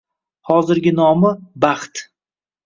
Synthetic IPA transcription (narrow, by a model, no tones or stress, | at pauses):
hɒzɪɾɡʲɪnɒmɪbaχt̪